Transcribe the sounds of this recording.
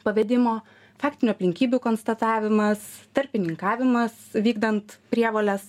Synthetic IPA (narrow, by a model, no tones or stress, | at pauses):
pɐʋʲɛd̪ʲɪmoː | fɑːkt̪ʲɪnʲuɐpʲlʲɪŋʲkʲiːbʲukoːnst̪ɐt̪ɑːʋʲɪmɐst̪ɐɾʲpʲɪnʲɪŋkɑːʋʲɪmɐsʋʲiːɡd̪ɐnt̪pʲɾʲiɛʋoːlʲɛs